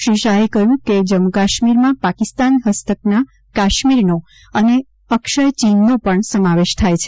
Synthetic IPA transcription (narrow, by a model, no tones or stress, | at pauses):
ʃiʃaɦekəjũked͡ʒəmukaʃmiɾmãpakist̪anɦəst̪əkna | kaʃmiɾno | əne | əkʃəjt͡ʃinːopəɳsəmaʋeʃt̪ʰajt͡ʃʰ